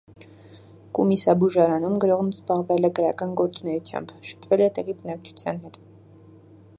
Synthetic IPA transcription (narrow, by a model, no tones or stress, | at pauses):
kumisɑbuʒɑɾɑnumɡəɾɔʁnzbɑʁvɛlɛkəɾɑkɑnɡɔɾt͡sunɛjut͡sʰjɑ̰mbʃə̥pʰvɛlɛt̪ɛʁibənɑk̚t͡ʃʰu̥t͡sʰjɑ̰nɦɛt̪